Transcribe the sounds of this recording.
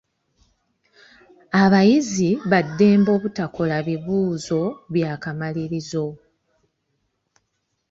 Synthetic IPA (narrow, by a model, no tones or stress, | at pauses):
aβajiziβadːe̞ːmbo̞ːβutakolaβiβuːzo̞βjaːkamaliɾizo̞